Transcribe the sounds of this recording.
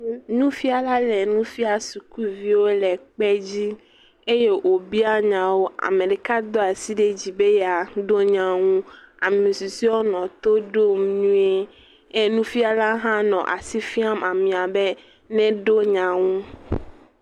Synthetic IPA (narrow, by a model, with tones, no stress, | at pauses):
nũ˦fi˦a˦la˦lɛ˨nũ˦fi˦a˦su˨ku˦vi˦wo˦lɛ˨k͡pɛ˦d͡ʑi˦ | e˦je˦ʔo˨bi˦a˦ɲã˨wo˦ʔa̰˨mẽ˨ɖe˨ka˦d̪ɔ˦a˨si˦ɖe˦d͡ʑi˨be˦jɛ˨a˨ɖo˦ɲã˨ŋũ˦a˨mĩ˨su˨si˦wo˦nɔ̃˨t̪o˦ɖo˦m˦nũ˦e˦ | e˦nũ˦fi˦a˦la˦ɦã˦nɔ̰̃˨ʔa̰˨si˦fi˦a˦ma˨mĩ˨a˨be˦ | nɛ̃˦ɖo˦ɲã˨ŋũ˦